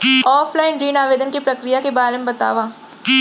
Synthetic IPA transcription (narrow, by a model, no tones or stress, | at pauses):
ɔːfʰlaːɪnɾiːnaːʋeːd̪ənkipɾɐkɾijakebaːɾemebɐt̪a̰ːʋaː